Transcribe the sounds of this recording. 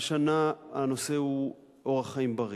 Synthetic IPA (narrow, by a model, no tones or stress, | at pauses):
ʃanaanose̞u | ʔo̞ʁaχaimbaʁ